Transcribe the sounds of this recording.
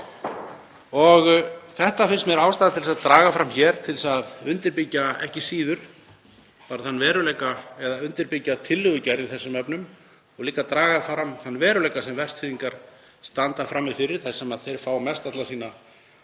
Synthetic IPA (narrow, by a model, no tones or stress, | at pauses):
ɔɣθɛht̪afɪnst̪mjɛɾaːwst̪aːðat̪ʰɪlsaðt̪ɾaːɣafɾamçɛɾ̥t̪ʰɪlsaðʏnt̪ɪɾpɪcːaɛ̰hcɪsiːðʏɾ̥ | paːɾaθanːvɛːɾʏlɛːjkaɛðaʏnt̪ɪɾpɪcːat̪ʰɪlːʏðʏcɛɾðɪθɛsːʏmɛpnʏm | ɔɣliːkat̪ɾaːɣafɾamθanːvɛːɾʏlɛjkasɛmvɛr̥st̪sfiːðiŋkaɾ̥ | st̪ant̪afɾamːifɪɾɪɾ̥θaj̥sɛmaðθejɾ̥faːwmɛst̪at̪lasiːna